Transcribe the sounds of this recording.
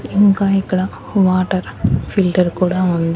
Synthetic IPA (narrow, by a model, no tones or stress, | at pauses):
ɪŋkaːjɪkːɐɭãː | ʋaːʈːɐɾfɪlʈɐɾkuːɽaːʋɐnd̪